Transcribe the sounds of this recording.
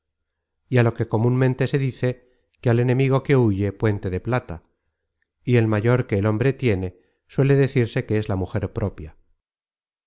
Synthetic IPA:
ialo̞ke̞ko̞mũnmẽnt̪e̞se̞ðiθe̞ | keale̞nẽ̞miɣ̞o̞ke̞uʝe̞pwe̞nt̪e̞ðe̞plat̪a | ie̞lmaʝo̞ɾke̞ːlo̞mbɾe̞t̪je̞ne̞ | swe̞le̞ðe̞θiɾse̞ke̞ezlamuxe̞ɾpɾʔo̞pja

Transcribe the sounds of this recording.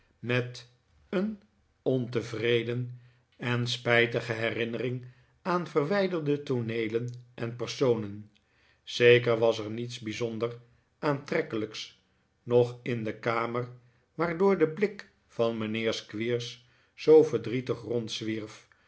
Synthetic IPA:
mɛt | ən | ɔntəvrejdən | ɛnspɛjtəχəɦɛrɪnərɪŋ | aːnvərʋɛjdəɹdətonejlənʔɛnpəɹsownən | z̥ejkəɹʋɑsɛɹnitsbizɔndər | ʔaːntrɛkələks | nɔχɪndəkaːməɹ | ʋaːɹdʊːɹdəblɪk | fɑnmənɪːɹskʋiːɹsː | owvəɹdritəχrɔntsʋiɹf

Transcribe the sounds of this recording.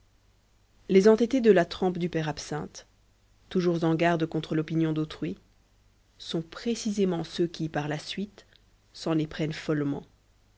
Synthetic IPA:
lezɑ̃t̪et̪ed̪əlat̪χɔ̃pd̪ypɛʁapsɛ̰̃t̪ː | uʒuʁzɑ̃ɡaʁd̪kɔ̃t̪χəlɔpinjɔ̃d̪ot̪χɥi | sɔ̃pχesizemɑ̃søkʲipaʁlasɥit̪ | sɑ̃lepχɛnfɔlmɑ̰̃

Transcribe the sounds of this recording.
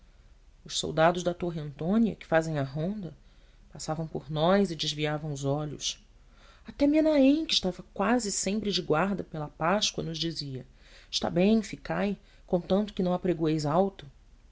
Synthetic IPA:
ʊʃso̰wd̪ad̪ʊʒd̪ɐt̪oɦiɐ̃nt̪õniɐ̰kɪ̥fazẽj̃ɐɦõnd̪ɐ | pasavɐ̃w̃pʊɾnɔjzɪd͡ʒɪzviavɐ̃w̃ʊzɔʎʊ̰s | at̪ɛmianaẽj̃kɪʃt̪avɐkwazɪsẽmpɾɪd͡ʒɪɡwaɾd̪ɐpelɐpaʃkwɐ̰nʊzd͡ʒiziɐ | ɪʃt̪a̰bẽj̃fikaj | kõt̪ɐ̃nt̪ʊ̥kɪnɐ̃w̃apɾeɡuejzawt̪ʊ

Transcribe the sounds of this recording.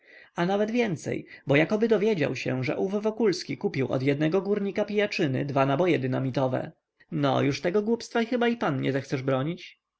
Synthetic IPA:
anavɛd̪vʲjɛnt̪sɛ̰jbɔjakɔbɘd̪ɔvʲjɛd͡ʑa̰wɕɛ̰ʐɛ̰ʔuvvɔkulskʲikupʲiwʔɔ̰d̪jɛd̪nɛɡɔɡuɾɲikapʲijat͡ʂɘnɘ̰d̪vanabɔjɛd̪ɘnamʲit̪ɔvɛ̰ | nɔ̰juʂt̪ɛɡɔɡwupst̪faixɘbaipanɲɛ̰zɛxt̪sɛʐbɾɔɲit͡ɕ

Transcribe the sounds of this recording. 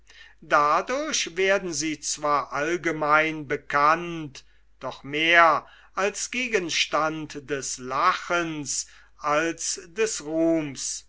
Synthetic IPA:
dadʊɐɕveːɐdn̩ziːt͡sv̥aːɐʔalɡəmaɪnbəkʰant | d̥ɔχmeːɐ | ʔalsɡ̥eːɡənʃtantdɛslaχəns | ʔalsdɛsʁuːms

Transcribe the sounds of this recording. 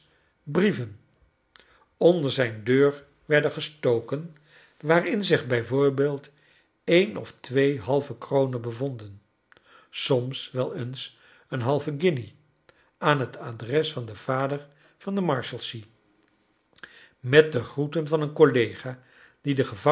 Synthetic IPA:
brivən | ɔndəɹzɛjndøːɹ | ʋɛɹdəχəstowkən | ʋaːrɪnzɪχbɛjvʊːɹbeːlˠt | ejnʔɔ̰ftʋejɦɑlˠvəkrownənbəvɔndən | sɔmsʋɛlˠəns | ənɦɑlˠvəɡɪni | aːnɦətʰaːdrɛsfɑndəv̥aːdəɹ | vɑndəmɑɹʃəlˠsi | mɛt̚dəχrutənvɑnənkolejχaː | d̥idəχəvɑ

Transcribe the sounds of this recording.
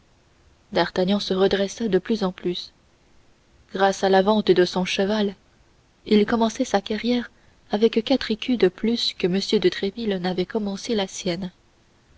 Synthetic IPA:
d̪aʁt̪aɲjɑ̃səʁəd̪ʁɛsad̪əplyzɑ̃plys | ɡ̥ʁasalavɑ̃t̪d̪əsɔ̃ʃəval | ilkɔmɑ̃sɛsakaʁjɛʁ | avɛkkat̪χekʲyd̪əplyskəməsjød̪ət̪χevilnavɛkɔmɑ̃selasjɛn

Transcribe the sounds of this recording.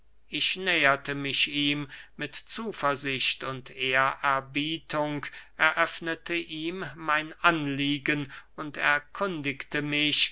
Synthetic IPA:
ʔɪʃnɛːɐtəmɪʃiːmːɪtt͡suːfɐɐzɪʃtʊntʰeːɐʔɛɐbiːtʰʊŋkʔɛɐʔœfnətʰəʔiːmːaɪnʔanliːɡənʊntɛɐkʰʊndɪktəmɪʃ

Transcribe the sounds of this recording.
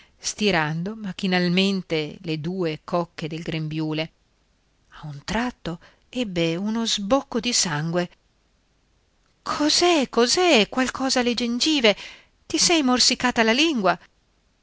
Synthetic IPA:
st̪iɾand̪omak̟inalment̪eled̪uːekɔkːed̪elɡɾembjuːle | aunt̪ɾat̪ːo | ɛbːeunozbokːod̪isaŋɡwe | kʰozɛkːozɛkwalkʰɔːzaled͡ʒend͡ʒiːve | t̪isɛjmorsikaːt̪alaliŋɡwa

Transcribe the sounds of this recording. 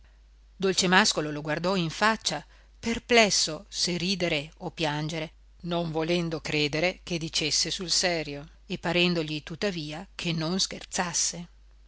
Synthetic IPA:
d̪olt͡ʃemaskololoɡward̪ɔiɱfat͡ʃːa | perplɛsːoseriːd̪eɾeopjand͡ʒeɾe | noɱvolɛnd̪okɾeːd̪eɾeked̪it͡ʃesːesulsɛːɾjo | epːaɾɛnd̪oʎit̪ut̪ːaviːakʰenːonsk̟ert̪sasːe

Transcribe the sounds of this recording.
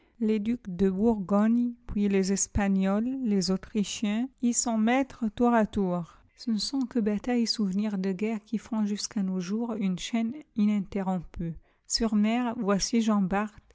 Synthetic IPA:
led̪ykd̪əbuʁɡɔɲpɥilezɛspaɲɔlːezot̪χiʃjɛ̃isɔ̃mɛt̪χət̪uʁat̪uːʁ | sənəsɔ̃kəbat̪ajsuvniʁd̪əɡɛʁkʲifɔ̃ʒyskanoʒuʁynʃɛninɛ̃t̪eʁɔ̃py | syʁmɛʁvwasiʒɑ̃baʁt̪

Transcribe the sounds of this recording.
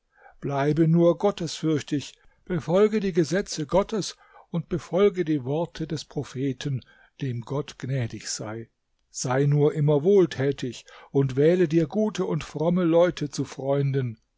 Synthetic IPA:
b̥laɪbənuːɐɡɔtəsfʏɐçtɪç | b̥əfɔlɡədiːɡəzɛt͡səɡɔtʰəs | ʊntb̥əfɔlɡədiːvɔɐtʰədɛspʁ̥ofeːtʰən | d̥eːmɡɔtɡ̥nɛːdɪçz̥a̰ɪ | z̥aɪnuːɐʔɪmɐvoːltʰɛːtʰɪçʊntv̥ɛːlədiːɐɡuːtʰəʊntfʁ̥ɔməlɔʏtʰət͡sufʁ̥ɔʏndən

